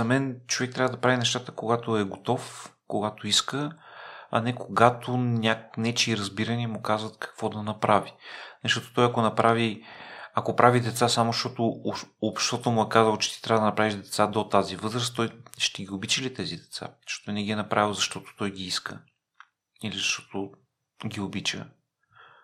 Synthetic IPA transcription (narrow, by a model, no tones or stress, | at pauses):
zɐmɛnt͡ʃovɛk̚t̪ɾʲavəd̪ɐpɾavinɛʃt̪at̪əkoɡat̪oɛɡot̪ɔfkoɡat̪oiskə | ɐ̰nɛkoɡat̪ʰonʲaknɛt͡ʃiɾɐzbiɾənimʊkazvət̪kɐ̥kvɔd̪ɐnɐpɾavinɐʃt̪ɔt̪o̥t̪ɔjɐkonɐpɾaviɐkopɾʔavid̪ɛt̪sasamosʃt̪ɔt̪oopʃt̪ɔt̪omuɛkazəlˠot͡ʃɛ̥t̪it̪ɾʲavəd̪ənɐpɾaviʒd̪ɛt̪sad̪ot̪azivɤzɾəst̪ːɔjʃt̪ɛɡʲiobit͡ʃəlit̪ɛzid̪ɛt̪sa̰ʃt̪ot̪vinəɡʲiɛnɐpɾʔavilˠzɐʃt̪ɔt̪o̥t̪ɔjɡiiskə̰ | ilizɐʃt̪ɔ̥t̪o | ɡʲiobit͡ʃə̰